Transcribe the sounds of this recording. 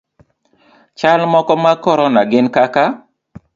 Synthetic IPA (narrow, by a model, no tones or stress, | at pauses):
t͡ʃalmɔkɔmakɔɾɔnaɡɪnkaka